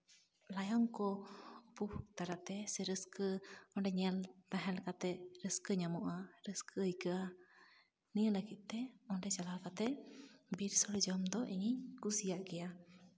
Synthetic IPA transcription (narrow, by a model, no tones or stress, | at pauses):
lajɔŋkɔbuht̪aɾat̪ɛsɛɾəskəɔɳɖɛɲɛlt̪aɦɛlkat̪ɛɾəskəɲamɔʔaɾəskʰəəjkəʔa | nijələɡit̪̚ˀt̪ɛɔɳɖɛt͡ʃalawkat̪ɛbiɾsɔɽid͡ʒɔmd̪ɔʔiɲiɲkusijaʔɡɛja